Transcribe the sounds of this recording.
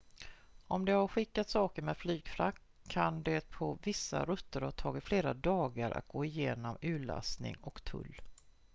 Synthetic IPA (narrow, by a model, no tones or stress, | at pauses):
ɔmd̪ɛhaɾɧɪkːat̪sɑːkəɾmɛːd̪̥flyːɡ̥fɾakʰː | and̪ɛpʰɔvɪsːa̰ɾɵt̪ːəɾhat̪ʰɑːɡɪt̪fleːɾad̪ɑːɡaɾa̰t̪̚ɡoːɪjeːnɔmʉ̟ːɭa̰snɪ̰ŋɔkt̪ʰɵ̰lː